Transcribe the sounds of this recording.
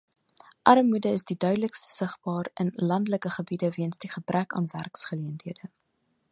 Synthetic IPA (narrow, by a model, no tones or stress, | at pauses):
ʔɐɾəmudəəsdidœɥdələkstə̥səχb̥ɑːrənlɐndələkəχəbidəviənsdiχəbrækɑ̰ːnværksχəliəntiədə